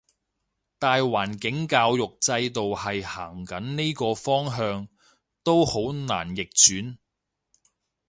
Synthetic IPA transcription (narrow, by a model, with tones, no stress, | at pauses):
t̪aː˨jwaː˨˩nkɪ˨˥ŋkaː˧wjʊ˨k̚t͡sɐ˧jt̪o˨whɐ˨jhaː˨˩ŋkɐ˨˥nni˥kɔː˧fɔː˥ŋɦœː˧ŋ | t̪o˥who˨˥wna̰ː˨˩njɪ˨k̚t͡ʃyː˨˥n